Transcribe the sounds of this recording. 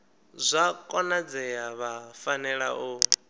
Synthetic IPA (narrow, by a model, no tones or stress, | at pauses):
zʷakʼɔnad͡zɛjaβafanɛɺa̰ʔu